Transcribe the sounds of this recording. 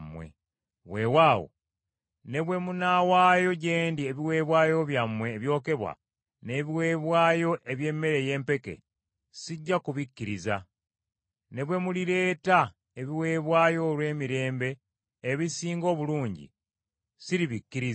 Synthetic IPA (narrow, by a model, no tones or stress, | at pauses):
mwḛ | βwe̞ːwaːwo̰ | ne̞βwe̞munawaːjo̞ɟe̞ːndieβiwe̞ːβwaːjo̞βjamwe̞ːβjo̞ːke̞βwa̰ | ne̞βiwe̞ːβwaːjo̞ʔeβje̞mːe̞ɾe̞je̞ːmpe̞ke̞̰ | siɟːakuβikːiɾiza | ne̞βwe̞muliɾe̞ːta | e̞βiwe̞ːβwaːjo̞lwe̞ːmiɾe̞ːmbe̞ː | βisiːŋɡo̞ːβuluːɲɟḭ | siɾiβikːiɾiz